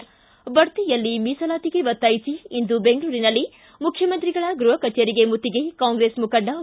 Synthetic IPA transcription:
bɐɾt̪ijɐlːimiːsɐlaːt̪iɡe̞ʋɐt̪ːaːjisiːnd̪ubeŋɡɭuːɾinɐlːi | mukʰjɐmɐnt̪ɾiɡɐɭɐɡɾuɦɐkɐt͡ʃeːɾiɡemut̪ːiɡe̞kaːŋɡɾeːsmukɐɖːɐ

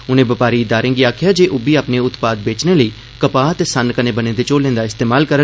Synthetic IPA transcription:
ʊnẽːbəpaːɾiːɪd̪aːɾẽːŋɡiːaːkʰɪjaːd͡ʒeːʔʊbiːaːpneːʊt̪paːd̪̚beːt͡ʃneːləiː | kəpaːt̪eːsənkənẽːbənẽːd̪eːt͡ʃoːlẽːnd̪aːɪst̪eːmaːlkəɾə

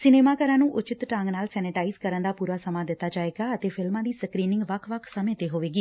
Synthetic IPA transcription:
sɪneːmaːkəɾãːnũːʔʊt͡ʃɪt̪ʈãːŋɡnaːlsɛːnɪʈaːizkəɾənd̪aːpuːɾaːsəmãːd̪ɪt̪ːaːd͡ʒaːeːɡaːət̪eːpʰɪlmãːd̪iːsəkɾiːnɪ̃ŋɡʋəkʰːʋəkʰsəmẽːt̪eːɦoːʋeːɡiː

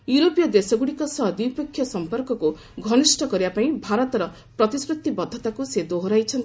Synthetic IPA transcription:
juɾopijɔd̪esɔɡuɽikɔsʌɦd̪ipɔkʰːjɔsɔmpɔɾkɔku | ɡʱɔnisʈɔkɔɾiapaĩbʱaɾɔt̪ɔɾɔ | pɾɔt̪isɾut̪ːibɔd̪ʱːɔt̪akused̪oɦoɾajt͡ʃʰʌnt̪i

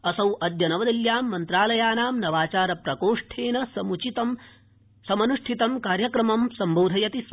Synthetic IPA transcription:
ɐsɐwʔɐd̪jɐnɐʋɐd̪ɐljaːmːɐnt̪ɾaːlɐjaːnaːmnɐʋaːt͡ʃaːɾɐpɾɐkoːʂʈʰeːnɐsɐmut͡ʃit̪ɐm | sɐmɐnuʂʈʰit̪ɐmkaːɾjɐkɾɐmɐmsɐmboːd̪ʱɐjɐt̪is

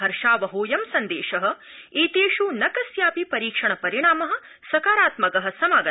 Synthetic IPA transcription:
ɦɐɾʂaːʋɐɦoːjɐmsɐnd̪eːʃɐɦɐ̆ | iːt̪eːʃunɐkɐsjaːpipɐɾiːkʂɐɳɐpɐɾiɳ̃aːmɐɦɐ̆ | sɐkaːɾaːt̪mɐkɐɦɐ̆sɐmaːɡɐ

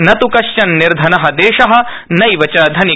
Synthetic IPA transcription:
nɐt̪ukɐʃt͡ʃɐnːiɾd̪ʱɐnɐɦɐ̆d̪eːʃɐɦɐ̆ | nɐjʋɐt͡ʃɐːd̪ʱɐni

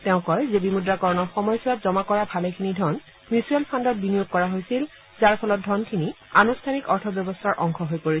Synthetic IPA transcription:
tɛʊ̃kɔjzebimudɹakɔɹɔnɔxɔmɔjsɔatzɔmakɔɹabʱalekʰinidʱɔn | musuɛlpʰandɔt̚binijoɡ̚kɔɹaɦojsil | zaɹpʰɔlɔt̚dʱɔnkʰini | anustʰanikɔɹtʰɔbjɔbɔstʰaɹʔɔŋxʰɔɦojpoɹisɛ

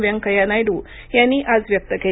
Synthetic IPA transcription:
ʋjəŋɡkəjanajɽu | jãnːiːʔad͡zʋjək̚t̪əke

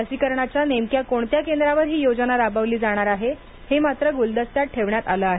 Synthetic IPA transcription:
əsikəɾɳat͡ɕjanemkjakoɳt̪jakend̪ɾaʋəɾɦiːjod͡znaɾabaʋliːd͡zaɽ̃aɾaɦe | hemat̪ɾəɡuld̪əst̪jat̪̚ʈʰeʋɳjat̪aləːaɦe

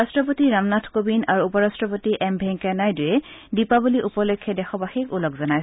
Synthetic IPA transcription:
astɹɔp̬otiɹamnatʰkobinaɹuupɔɹastɹɔpotiʔɛmbʱɛŋkanajdʊjɛdipabuliʔupɔlojkʰːɛdɛxɔbaxikulɔkzɔnaj

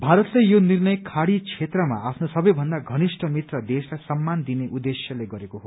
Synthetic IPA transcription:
bʱaɾʌt̪lejonirnʌjkʰaɽit͡sʰet̪rʌma̰apʰnosʌbʌjbʱʌnd̪aɡʱʌnisʈʰʌmit̪rʌd̪eslajsʌmːand̪ineʔud̪esjʌleɡʌɾekoɦo

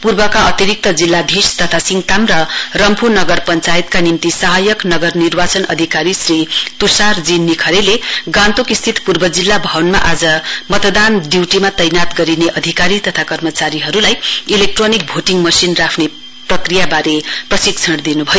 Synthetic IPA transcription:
purbʌkaʌt̪iɾik̚t̪ʌd͡zilːad̪ʱist̪ʌt̪ʰasiŋt̪amrʌrʌmpunʌɡʌrpʌnt͡sajit̪kanimt̪isʌɦajʌknʌɡʌrnirbat͡sʌnʌ̰d̪ʱikaɾisrit̪usard͡zinːikʰʌɾeleɡãnt̪okist̪ʰit̪purbʌd͡zilːabʱʌnma̰ʔad͡zʌmʌt̪d̪anɖiwʈimat̪ʌjnat̪ɡʌɾineʔʌd̪ʱikaɾit̪ʌt̪ʰakʌrmʌt͡saɾiɦʌɾulajilek̚ʈronik̚bʱoʈiŋmʌsinrakʰne | prʌkrijabaɾeprʌsik̚t͡sʰʌɽd̪inubʱʌjo

